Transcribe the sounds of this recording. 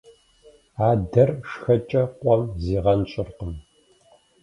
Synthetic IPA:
aːdɐrʂxɐt͡ʃʼɐqʷʼɔmziːʁɐnɕʼɪrqəm

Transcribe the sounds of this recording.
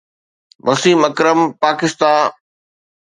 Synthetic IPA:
mɐsiːmɐkɾəmpaːkɪst̪ãː

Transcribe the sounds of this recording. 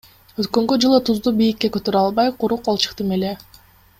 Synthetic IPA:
øt̪kø̞ŋɡød͡ʒɯlˠɯt̪ʰuzd̪ubijikːe̞køt̪ø̞ɾɑlˠβɑjqʰuɾuqɑlˠt͡ʃɯ̥qt̪ɯme̞le̞

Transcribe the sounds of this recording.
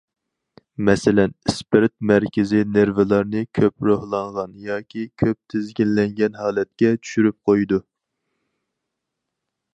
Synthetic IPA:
mɛsɪlɛnspɪɾt̪̚mɛɾkʲʰɪzɪneɾvɨlˠɑɾnɨkʲʰøpɾohlˠɑɴʁɑnjɑːkʲʰikʲʰøp̚t̪ʰɪzɡʲilːɛŋɡʲɛnhɑːlɛt̪̚kʲɛt͡ʃʰy̥ʃyɾyp̚qʰojd̪u

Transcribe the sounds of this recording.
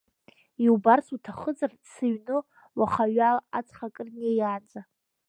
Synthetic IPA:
iwbarsʰutʰaχəd͡zʼar | sɨɥnɨ | waχaɥalat͡sʰʼχakʼɨrnajaːd͡za

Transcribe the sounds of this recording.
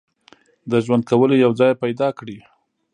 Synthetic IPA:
d̪əʒwand̪̚kawəlojawd͡zɑjpajd̪ɑkɽi

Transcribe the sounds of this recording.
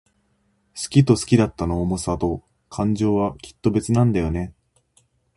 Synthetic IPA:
sɨ̥kʲit̪o̞sɨ̥kʲid̪at̪ːanoːmosat̪o̞ | kʰãɲ̟d͡ʑo̞ːβakʲi̥t̪ːo̞be̞t͡sɨnãnd̪ajo̞ne̞

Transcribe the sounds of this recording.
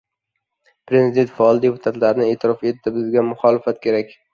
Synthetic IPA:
pɾe̞zid̪e̞nt̪faɒlˠd̪epʰʊ̥t̪ʰat̪laɾɪnɪe̞ːt̪ʰɪɾɒfe̞t̪ːɪbɪzɡʲamʊχɒlɪfat̪kʲʰe̞ɾakʲ

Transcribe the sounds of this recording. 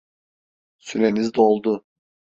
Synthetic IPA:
syɾenizd̪olˠd̪ʊ

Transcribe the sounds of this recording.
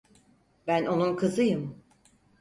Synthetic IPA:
bæno̞nunkʰɯzɯjɯm

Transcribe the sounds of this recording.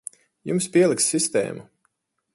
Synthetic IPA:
jumspiɛlˠiksːist̪ɛ̰ːmu

